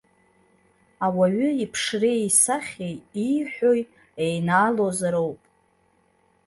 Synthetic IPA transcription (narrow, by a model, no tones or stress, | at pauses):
awaɥʏipʰʂrejsaχʲejiħᶣʷoj | ejnaːlo̞zaɾo̞wpʼ